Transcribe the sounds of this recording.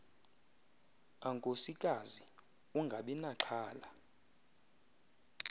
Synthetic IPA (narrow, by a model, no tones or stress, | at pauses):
aŋkʼosikʼazi | uŋɡʱaɓɛnaǁʰaːla